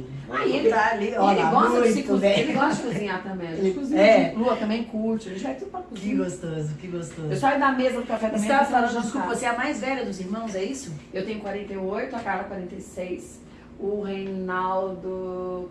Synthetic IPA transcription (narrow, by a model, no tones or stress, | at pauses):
aealielɪɡɔst̪ɐsɪkuzĩaelɪɡɔst̪ɐd͡ʒɪkuzĩɲat̪ɐ̃mẽj̃kuzĩɲɛluɐt̪ɐ̃mbẽj̃kuɾt͡ʃɪelɪʒaɛt̪ud̪ʊpɾɐkuzɡost̪ozʊkɪɡost̪oewsɔid̪ɐmezɐd̪ʊkafɛt̪ɐ̃sãsaʒãd͡ʒɪskupppɐsɛɐmajzvɛʎɐd̪ʊziɾmɐ̃w̃zɛisʊewt̪ẽɲ̃ʊkwaɾẽnt̪ejojt̪ʊakaɾɐkwaɾẽnt̪ejsejs | ʊhejnawd̪ʊ